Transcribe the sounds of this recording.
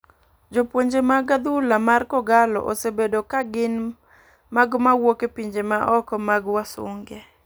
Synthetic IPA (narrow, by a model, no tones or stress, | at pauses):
d͡ʒopwoɲd͡ʒemaɡad̪ulamarkɔɡalɔ̰ʔosebedokaɡɪn | maɡmawokepiɲd͡ʒemaʔɔkɔmaɡwasʊ̰ŋɡe